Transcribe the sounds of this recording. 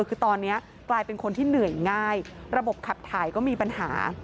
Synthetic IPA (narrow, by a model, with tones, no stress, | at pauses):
kʰɯː˧t̪ɔː˧nːi˦˥ɐ | klaː˧jpe˧nkʰo˧nt̪ʰiː˥˩nɯ˨˩əjŋaː˥˩jɾa˧bo˨˩p̚kʰa˨˩p̚t̪ʰaː˨˩˦jkɔː˥˩miː˧pa˧nha̰ː˩˦